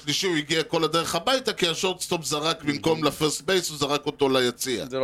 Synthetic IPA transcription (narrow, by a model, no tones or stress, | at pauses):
ʃliʃiuiɡiako̞lad̪eʁeχabajtakiaʃoʁt̪st̪o̞pzaʁakbimko̞mlafeʁstbejsuzaʁako̞to̞lajat͡sia̰